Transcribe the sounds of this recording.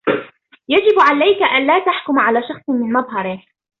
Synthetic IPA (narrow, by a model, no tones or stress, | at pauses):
jad͡ʒɪbʕalajkaʔanlaːt̪aħkʊmʕalaːʃɑχxsˤmɪnmɑðˤɦɑɾˤɪ